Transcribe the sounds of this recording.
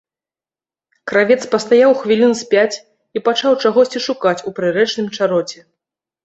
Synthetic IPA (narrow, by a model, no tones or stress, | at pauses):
kɾavʲɛt̪spɐst̪ajawxvʲilʲinsʲpʲat͡sʲ | ipat͡ʂawt͡ʂaɣɔsʲt͡sʲiʂukat͡sʲupɾɨɾɛt͡ʂnɨmt͡ʂaɾɔt͡sʲɛ